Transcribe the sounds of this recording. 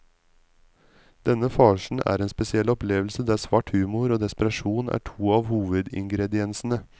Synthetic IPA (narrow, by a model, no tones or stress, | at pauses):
d̪̥ɛnəfɑːʃn̩æ̰ːɾeːnspɛsɪɛlɔpleːʋlsəd̪æːsʋɑːʈhʉːmʊɾoːd̪ɛspəɾɑʃuːnʔæ̰ːʈʰuːɑːʋhuːʋəd̪ɪ̰ŋɡɾɛd̪ɪɛnsn̩ə